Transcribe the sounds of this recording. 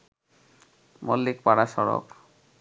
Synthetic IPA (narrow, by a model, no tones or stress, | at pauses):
molːikpaɽaʃɔɾo̰k